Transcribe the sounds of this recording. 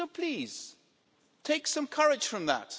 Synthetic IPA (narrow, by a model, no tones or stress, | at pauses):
oʊpʰl̥iːz̥ | tʰeɪksʌ̃mkʰʌɹɪd̥ʒ̥fɹʌ̃mðə̰t̚